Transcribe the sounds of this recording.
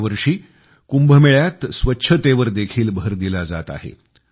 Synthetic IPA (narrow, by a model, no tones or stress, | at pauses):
ʋəɾʂiː | kumbʱəmeɭjat̪sʋətːɕʰət̪eʋəɾd̪ekʰiːlbʱəɾd̪ilad͡zat̪a̰ɦḛ